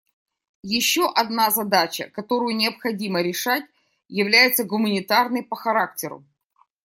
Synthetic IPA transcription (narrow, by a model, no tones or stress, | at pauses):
jɪɕːo̞ʔɐd̪nazɐd̪at͡ɕə̰kɐt̪o̞ɾʊjʊnʲɪɐpxɐdʲiməɾʲɪʂat̚ʲ | jɪvlʲæjɪt̪səɡʊmənʲɪt̪arnɨjpəxɐɾaktʲɪɾʊ̰